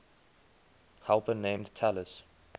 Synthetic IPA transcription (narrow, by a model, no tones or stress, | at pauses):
hɛlˠpənẽɪ̃mdtʰɛləs